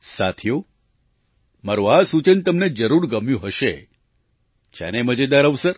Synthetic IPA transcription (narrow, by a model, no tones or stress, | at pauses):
sat̪ʰijo | maɾoasut͡ʃənt̪əmned͡ʒəɾuɾɡəmjũɦəʃe | t͡ʃa̰neməd͡ʒed̪aɾəʋsəɾ